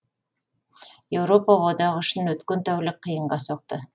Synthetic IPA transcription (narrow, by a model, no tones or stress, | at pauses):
je̞wɾo̞pəwod̪ɑʁʏʃɪnwɵt̪kʲent̪ʰæwlɪk̚qʰːəjəɴʁɑsoq̚t̪ə